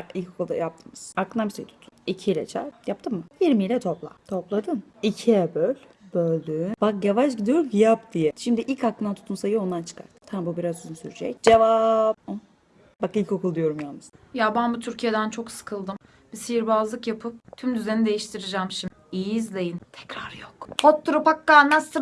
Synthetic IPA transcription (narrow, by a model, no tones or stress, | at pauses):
akilʲcʰo̞kulˠd̪a̰jap̚t̪ʰɯmɯz̥aklˠɯnabiʃejit̪ʰu̥t̪ʰu̥nicʰilʲɛ̰t͡ʃʰa̰ɾjap̚t̪ʰɯmːɯjiɾmijlʲɛt̪ʰo̞plˠa̰t̪ʰo̞plˠad̪ɯm | icʰiɛbølʲ | bølʲd̪ybak̚javaʃɟid̪ijo̞ɾumcijapd̪̥ijɛʃimd̪iʔilʲcaklˠɯnat̪ʰu̥t̪ʰunsajɯo̞nd̪ant͡ʃʰɯ̥kʰa̰ɾt̪t̪ʰambubiɾazyzynsyɾyd͡ʒɛ̰c̚d͡ʒevapo | bakilʲco̞kʰulˠd̪ijo̞ɾumjamɯzd̪ajabænbut̪ʰyɾcʰijed̪ænt͡ʃʰo̞ksɯ̥kʰɯlˠd̪ɯm | bisijiɾbazlˠɯkjapʰɯp̚t̪ʰymd̪yze̞nid̪e̞jiʃt̪ʰiɾid͡ʒɛmʃim | ijizlʲejint̪ʰɛ̥cɾaɾjokhot̪ʰːuɾupakːanast̪ɯ